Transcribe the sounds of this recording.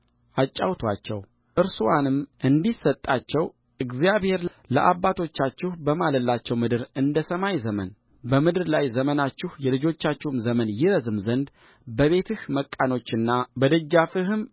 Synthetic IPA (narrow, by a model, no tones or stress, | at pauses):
ʔat͡ʃʼːawt̪ʰwat͡ʃːɛ̰w | ʔɨɾsuwanɨmʔɨnd̪isːət̪ʼːat͡ʃːɛw | ʔɨɡzijaβhe̞ɾ | lə̰ʔabːat̪ʰo̞t͡ʃːat͡ʃːɪhbəmaləlːat͡ʃːɛwmɨd̪ɨɾɨnd̪əsəmajzəmə̰n | bəmɨd̪ɨɾlajzəmənat͡ʃːɪhjɛlɨd͡ʒo̞t͡ʃːat͡ʃːɪhmzəmənjɪɾəzɨmzənd̪ | bəβe̞t̪ʰɨhməkʼːano̞t͡ʃːɨnːabəd̪əd͡ʒːafɨɦɨm